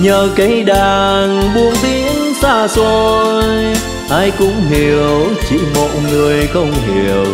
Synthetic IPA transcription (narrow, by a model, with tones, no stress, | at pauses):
ɲəː˨˩ka˨˦jɗaː˨˩ŋɓu˧ənt̪i˧˦ənsaː˧˩so˧j | ʔaː˧jkʊ̰˧˥ŋ͡mɦi˨˩əwt͡ɕi˧˩mo̰˨˩t̚ŋɨ˨˩əjxə˧wŋ͡mɦi˨˩əw